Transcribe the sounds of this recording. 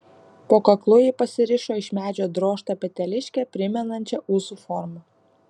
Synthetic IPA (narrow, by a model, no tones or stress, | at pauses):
poːkɐklˠʊjipɐsʲɪɾʲɪʃoːɪʃʲmʲæːd͡ʒʲoːd̪ɾoːʃt̪ɐpʲɛt̪ʲɛlʲɪʃʲkʲɛpʲɾʲɪmʲɛnɐnʲt͡ʃʲɛʔuːsufɔɾmɐ